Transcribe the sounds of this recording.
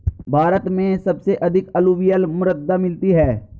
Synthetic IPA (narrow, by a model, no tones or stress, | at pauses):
bʱaːɾət̪mẽsəbseʔɐd̪ʱɪkəluʋijəlmʊɾəd̪ːaːmɪlt̪iɦɛː